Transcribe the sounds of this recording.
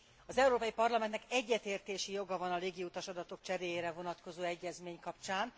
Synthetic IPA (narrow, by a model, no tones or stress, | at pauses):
ɒzɛuɾoːpɒjipɒrlɒmɛnt̪nɛkɛɟːɛt̪eːrt̪eːʃijo̞ɡɒvɒnɒleːɡiut̪ɒʃɒd̪ɒt̪o̞k̚t͡ʃɛɾeːjeːɾɛvo̞nɒt̪ko̞zoːɛɟːɛzmeːɲkɒpt͡ʃaːn